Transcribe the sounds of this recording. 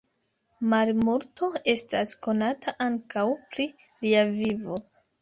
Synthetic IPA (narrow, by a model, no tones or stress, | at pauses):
malmuɾto̞e̞stasko̞natʰaʔaŋkawpɾi | liavivo̞